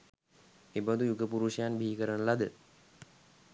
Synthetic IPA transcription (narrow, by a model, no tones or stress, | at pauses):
ebad̪ujuɡəpuɾuʃəjanbʱiɦikəɾənəlad̪ə